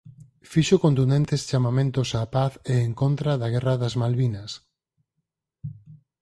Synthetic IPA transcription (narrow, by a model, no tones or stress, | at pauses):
fiʃokõnt̪und̪ẽnt̪est͡ʃamamẽnt̪osapaθeeŋkont̪ɾaðaɣɛraðazmalβinɐs